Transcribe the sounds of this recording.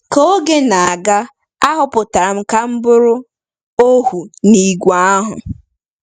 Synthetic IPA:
ko˦ɡe˦na˨a˨ɡa˦ | a˦ɦʊ˨pʊ˨ta˨ɾa˨m̩˦ka˦m̩˦bʊ˦ɾʊ˦ | o˦hu˨ni˨ɡʷa˦a˦ɦʊ̰˨

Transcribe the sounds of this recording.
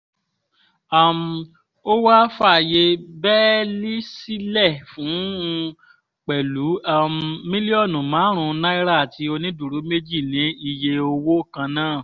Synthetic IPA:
a˨m̩˧ | o˦wa˦fa˦˨je˧bɛ˦li˦si˦lɛ˦˨fũ˨˦˧ | k͡pɛ˨lu˨˦a˦m˧mĩ˦li˦ɔ˦˨nũ˨mãː˨˦ɾ̃ũ˧nã˦i˦ɾa˦˨ti˨˦o˧nĩ˦du˨ɾu˨˦me˦d͡ʒi˦˨nĩ˨˦i˧je˧o˧wo˦˨kã˧nãː˦˨

